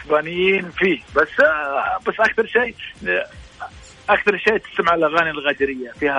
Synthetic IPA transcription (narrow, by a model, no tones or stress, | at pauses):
sbænəjːinfibæsːbæsːʔak̚t̪ɑɾˤʃij | ʔækt̪ɑɾˤʃijt̪ə̥st̪əməʕlɣænilɣæd̪ɾəjːafihæ